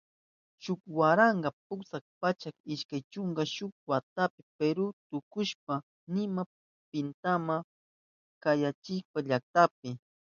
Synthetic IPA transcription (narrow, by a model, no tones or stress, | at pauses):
ʃʊkwaɾaɴɢɑpʊksak̚pat͡ʃakɪʃkajt͡ʃʊŋɡɑʃʊk̚wat̪apɪpeɾʊt̪ʊkʊʃp̚a | nɪma | pɪnt̪ama | kajat͡ʃɪʃpaʎak̚t̪ap̚ɪ